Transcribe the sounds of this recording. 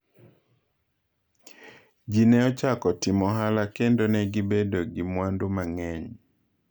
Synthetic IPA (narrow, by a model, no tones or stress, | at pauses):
d͡ʒinɛɔt͡ʃakɔtimɔɦalakendonɛɡibedoɡimwandomaŋɛɲ